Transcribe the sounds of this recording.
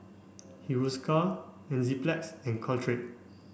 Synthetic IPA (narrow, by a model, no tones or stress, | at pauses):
hiwuskʰa | ɛ̃nziplɛksɛ̃nkʰɔltʰɹet̚